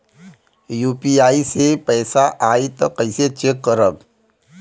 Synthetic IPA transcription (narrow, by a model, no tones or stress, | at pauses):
juːpiaːisepɛːsaʔaːit̪ɔkɐɪset͡ʃekːəɾəb